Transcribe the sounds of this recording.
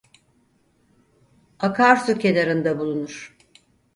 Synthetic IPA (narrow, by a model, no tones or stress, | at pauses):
akʰaɾsucʰelʲaɾɯnd̪abulˠunuɾ̥